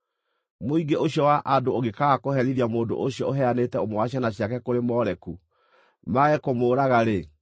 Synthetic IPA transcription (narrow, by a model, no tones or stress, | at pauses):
moiɡeʔoɕjɔwaʔadooɣekaɣakohɛɾiɾiamoːndo̰ʔoɕjɔoɦɛanetɛomowaɕanaɕjakɛkoɾemɔɾɛku | maɣɛkomoːɾaɣaɾe